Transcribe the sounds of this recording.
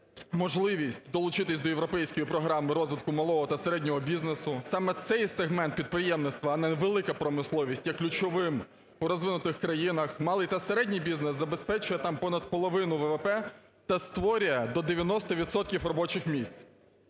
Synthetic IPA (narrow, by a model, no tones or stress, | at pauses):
mɔʒlˠɪʋʲisʲtʲd̪ɔlˠʊt͡ʃɪt̪ɪsʲd̪ɔjeʋɾɔpɛjsʲkɔjipɾɔɦɾɑmɪɾɔzʋʲɪt̪̚kʊmɐlˠɔɦɔt̪ɐseɾɛdʲnʲɔɦɔbʲiznesʊsɑmɛt̪sɛjseɦmɛnt̪̚pʲid̪̚pɾɪjɛmnɪt̪st̪ʋɐɐnɛʋelˠɪkɐpɾɔmɪslˠɔʋʲisʲtʲjɐkːlʲʊt͡ʃɔʋɪm | uɾɔzʋɪnʊt̪ɪxkɾɐjinɐxmɑlˠɪjt̪ɐseɾɛdʲnʲijbʲiznɛszɐbe̞spɛt͡ʃʊjɛt̪ɑmpɔnɐd̪̚pɔlˠɔʋɪnʊʋɛʋepɛ | t̪ɐst̪ʋɔɾʲʊjɛd̪ɔd̪eʋʲjɐnɔst̪ɔʋʲit̪sɔt̪kʲifrɔbɔt͡ʃɪxmʲisʲt͡sʲ